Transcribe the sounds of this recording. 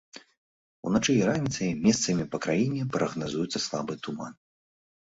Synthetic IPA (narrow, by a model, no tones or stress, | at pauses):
ṵnat͡ʂɨjiɾanʲit̪sɐjmʲɛst̪sɐmʲipɐkɾajinʲɛpɾɐɣnazujut̪sɐslˠabɨt̪uma̰n